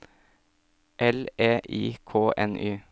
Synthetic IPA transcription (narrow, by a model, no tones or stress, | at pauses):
ʔɛleːʔiːkʰoːʔɛ̰nʔyː